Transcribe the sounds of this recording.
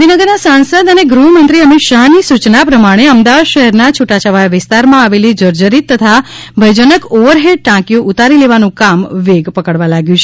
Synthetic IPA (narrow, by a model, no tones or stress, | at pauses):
d̪ʱinəɡəɾnasãnsəd̪əneɡɾuɦəmə̃nt̪ɾiəmɪt̪ʃaɦnisut͡ʃnapɾəmaɽ̃eəmd̪aʋad̪ʃəɦɛɾnat͡ʃʰuʈat͡ʃaʋajaʋɪst̪aɾmãaʋelid͡ʒəɾd͡ʒəɾit̪ːət̪ʰa | bʱəjd͡ʒənəkoʋəɾɦeɖ̚ʈãkjoʔut̪aɾileʋanũkamʋeɡpəkəɽʋalaɡjũt͡ʃʰe